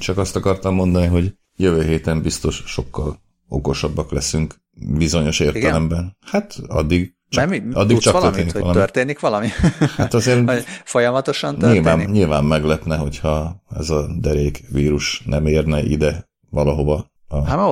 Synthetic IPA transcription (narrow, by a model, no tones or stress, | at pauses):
t͡ʃɒkɒst̪ɒkɒrt̪ɒmːo̞nd̪ɒniɦo̞ɟ | jøvøːɦeːt̪ɛmbist̪o̞ʃʃo̞kːɒl | okoʃɒbːɒklɛsyŋk | bizo̞ɲo̞ʃeːrtɡ̪ɛlɛmbɛnhat̪ɒ̰d̪ːiɡ | t͡ʃmɒ̰d̪ːikt͡ʃɒk̪ørt̪eːniiɒ̰lɒmørt̪eːnikʋɒlɒmihat̪ɒzeːrfojɒmɒt̪o̞ʃɒnilvaːnɲilvaːmːɛɡlɛpnɛɦo̞chɒɛ̰zɒd̪ɛɾeːkʋiːɾuʃnʔɛmeːrnɛʔḭd̪ɛ | ʋɒlɒɦo̞vɒ | ɒ